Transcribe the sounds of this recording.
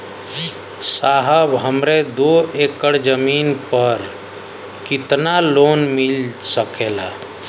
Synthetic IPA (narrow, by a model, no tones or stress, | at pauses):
saɦəbɦəmɾed̪oekəɽd͡ʒəminpəɾ | kit̪nalonmilsəkela̰